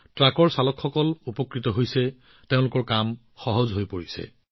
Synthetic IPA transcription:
tɹakɔɹsalɔkxɔkɔlupɔkɹitɔɦojsɛ | teʊ̃lʊkɔɹkam | xɔɦɔzɦojpoɹisɛ̰

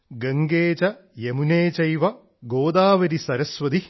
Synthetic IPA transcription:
ɡɐŋɡeːt͡ʃɐjemuneːt͡ʃɐjʋɐ | ɡoːd̪aːʋɐɾisɐɾɐsʋɐd̪i

